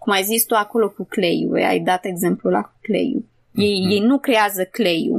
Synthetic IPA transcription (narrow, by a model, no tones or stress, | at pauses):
kumajzist̪uako̞lo̞kukle̞jṵa̰jd̪at̪e̞ɡze̞mplula̰ku̥kle̞̰jṵ | je̞jje̞jnukɾe̞azəkle̞jṵ